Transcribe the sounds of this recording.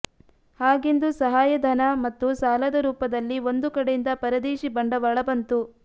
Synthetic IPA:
haːɡind̪usɐɦaːjɐd̪ʱɐnɐmɐt̪ːusaːlɐd̪ɐɾuːpɐd̪ɐlːio̞nd̪ukɐɽejind̪ɐpɐɾɐd̪eːʃibɐɳɖɐʋɐɭɐbɐnt̪u

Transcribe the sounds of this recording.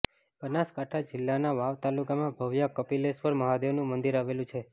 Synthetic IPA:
b̥ənaskaʈʰad͡ʒɪlːanaʋaʋt̪alukamãbʱəʋjakəpilespəɾməɦad̪eʋnũmənd̪iɾaʋelũt͡ʃʰe

